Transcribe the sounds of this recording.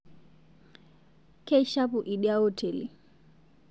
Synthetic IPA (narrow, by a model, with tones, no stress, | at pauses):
kɛ˦i˦ʃa˦pu˨ʔi˨ɗja˦o˦tʰɛ˨lḭ˨